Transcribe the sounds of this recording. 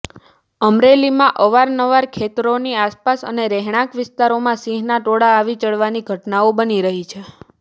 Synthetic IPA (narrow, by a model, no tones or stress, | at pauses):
əmɾelimãʔəʋaɾnəʋaɾkʰet̪ɾoniaspasə̰neɾɛɦɽ̃ãkʋɪst̪aɾomãsĩɦnaʈoɽaːʋit͡ʃəɭʋaniɡʱəʈnaobəniɾəɦit͡ʃʰe